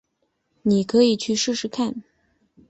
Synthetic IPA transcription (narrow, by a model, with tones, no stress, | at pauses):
ni˨˩kʰɤ˧˥i˨˩t͡ɕʰy˥˧ʂɻ̩˥˧ʂɻ̩˧˥kʰa˥˩n